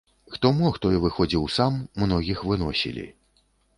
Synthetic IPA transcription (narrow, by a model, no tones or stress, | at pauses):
xt̪ɔmɔxt̪ɔjɛvɨxɔd͡zʲiwsamːnɔɣʲixvɨnɔsʲḭlʲḭ